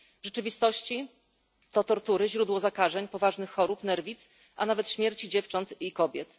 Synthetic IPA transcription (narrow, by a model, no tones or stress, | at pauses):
vʐɛt͡ʂɘvʲist̪ɔɕt͡ɕi | t̪ɔt̪ɔɾt̪uɾɘʑɾud̪wɔzakaʐɛɲpɔvaʐnɘxxɔɾupnɛɾvʲit̪s | ʔanavɛt̪ɕmʲjɛɾt͡ɕid͡ʑɛft͡ʂɔnt̪ikɔbʲjɛt̪